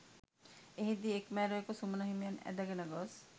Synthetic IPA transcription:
eɦid̪iekmɛɾoekosumunaɦimijanɛ̰d̪aɡenaɡɔs

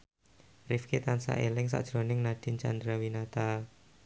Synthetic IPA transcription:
rifket̪ansa̰ʔelɪŋs̬a̰ʔd̥ʒ̥ɾonɪŋnad̥i̤nt͡ʃa̰nd̪ɾawinat̪a

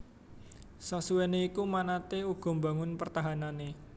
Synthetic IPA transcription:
sasuweneikumanat̪euɡ̥ɔ̤mba̤ŋʊnpərt̪aɦanane

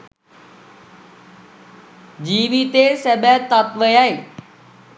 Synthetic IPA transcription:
d͡ʑiːʋit̪esɛbɛt̪ːat̪ʋəjaːeː

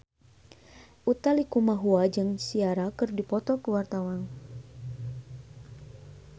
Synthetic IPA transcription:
ʔut̪alikumaɦuad͡ʒɨŋsiaɾakɨrdipɔt̪ɔkəwart̪awan

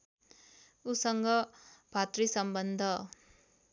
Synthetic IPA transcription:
usʌŋɡʌb̥ʱat̪risʌmbʌnd̪ʱʌ

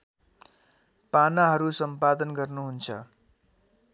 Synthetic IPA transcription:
panaɦʌɾusʌmpad̪ʌnɡʌrnuɦunt͡sʰʌ

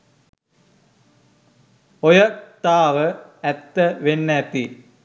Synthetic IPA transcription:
ojət̪aːʋəæt̪ːəʋenːæt̪i

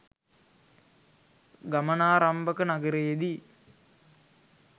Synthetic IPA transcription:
ɡamənaːɾɐmbɐkənaɡəɾejed̪i

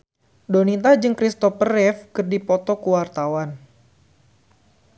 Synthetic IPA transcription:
donit̪ahd͡ʒɨŋkɾist̪ɔpərɛfkɨrdipɔt̪ɔkuwart̪awan

